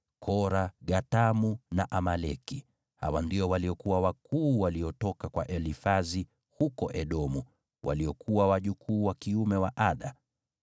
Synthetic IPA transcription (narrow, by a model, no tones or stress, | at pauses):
kʰɔɾaɠatamunaʔamalɛki | ha̰wandiɔwaliɔkuwawakuːwaliɔtɔkakwaʔɛlifazi | hukɔʔɛɗɔmu | wʔa̰liɔkʰuwawaʄukʰuːwakiumɛwaʔaɗa